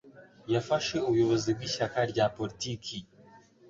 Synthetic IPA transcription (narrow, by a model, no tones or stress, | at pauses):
jafaʃe̞uβujo̞βo̞zibɡiːʃakaɾɟapolitikʰi